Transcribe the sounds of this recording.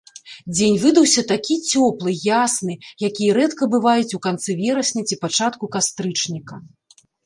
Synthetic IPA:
d͡zʲenʲvɨd̪ɐwsʲɐt̪akʲit͡sʲɔplˠɨjasnɨjakʲijɐɾɛt̪kɐbɨvajut͡sʲukant̪sɨvʲɛɾɐsʲnʲɛt͡sʲipat͡ʂat̪kukast̪ɾɨt͡ʂnʲikɐ

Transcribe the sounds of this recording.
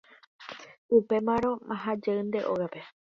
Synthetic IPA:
upe̞mãɾ̃õaɦad͡ʒeɨnd̪e̞ʔoɣape̞

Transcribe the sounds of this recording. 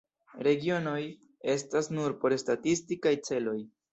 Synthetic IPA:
ɾe̞ɡio̞no̞j | e̞stasnuɾpo̞ɾstatistikajt͡se̞lo̞j

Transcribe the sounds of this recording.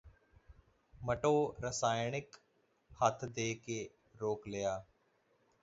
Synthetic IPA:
məʈoːɾəsaːjɳɪk | hət̪ʰd̪eːkeː | ɾoːklejaː

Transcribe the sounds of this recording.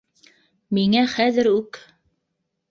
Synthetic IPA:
miŋæχæðɘɾʉk

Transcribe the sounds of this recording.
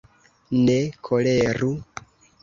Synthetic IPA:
nekʰoleɾu

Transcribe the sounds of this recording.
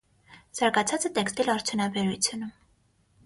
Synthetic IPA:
z̥ɑɾɡɑt͡sʰɑt͡sət̪ɛkst̪ilɑɾt͡sʰjunɑbɛɾut͡sʰjunum

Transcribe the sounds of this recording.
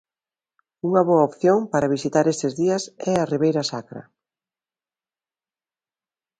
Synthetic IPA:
uŋɐβoaopθjoŋpaɾɐβisit̪aɾest̪ezðiɐsɛɐriβ̞ejɾɐsakɾɐ̰

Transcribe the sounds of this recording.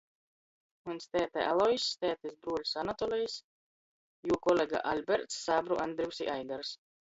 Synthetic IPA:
unst̪ʲɛːt̪ɛ̰ʔalˠɔjsʲːt̪ɛːt̪ɛsbɾuɔlʲsanat̪ɔlʲɛjs | juɔkɔlʲeɡa̰ʔalʲbɛɾt̪sːaːbɾuʔand̪ɾiwsḭʔajɡaɾs

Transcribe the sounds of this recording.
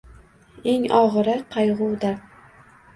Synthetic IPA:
eŋɒʁɾɪqʰɑjʁʊwd̪a

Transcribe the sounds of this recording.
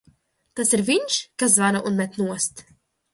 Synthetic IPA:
t̪asiɾviɲʃkas̬zvaɾaʔunmɛt̪nuɔst̪

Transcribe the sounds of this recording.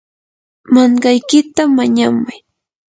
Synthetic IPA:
maɴɢɑjkɪt̪amaɲamʊj

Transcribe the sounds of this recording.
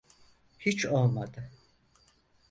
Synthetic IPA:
hit͡ʃʰolˠmad̪ɯ

